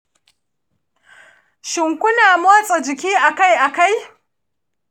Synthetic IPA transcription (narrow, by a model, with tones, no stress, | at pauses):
ʃɪ˨ŋkʷʊ˦naː˨moː˦sʼo˨d͡ʒɪ˨k̬ʲiː˦ʔa˨ka˦˨jʔa˨ka˦˨j